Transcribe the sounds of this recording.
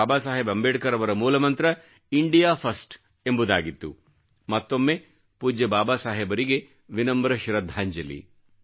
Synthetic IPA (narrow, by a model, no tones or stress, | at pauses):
aːbaːsaːɦebɐmbeːʈkɐɾɐʋɐɾɐmuːlɐmɐnt̪ɾɐ | iɳɖijaːpʰɐsʈ | embud̪aːɡit̪ːu | mɐt̪ːo̞mːe | puːd͡ʒɐbaːbaːsaːɦebɐɾiɡe | ʋinɐmbɾɐʃɾɐd̪ʱaːɲd͡ʒɐlḭ